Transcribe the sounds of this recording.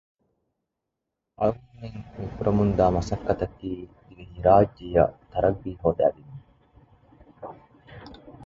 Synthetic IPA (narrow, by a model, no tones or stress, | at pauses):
ʔɐmːeŋmifuɾʔɐmund̪aːmɐsɐkːɐt̪ɐk̪ːiː | iɡiɦiɾaːd͡ʒːijɐ̰t̪ɐɾɐɡːiːɦoːd̪æ̰ːdinːi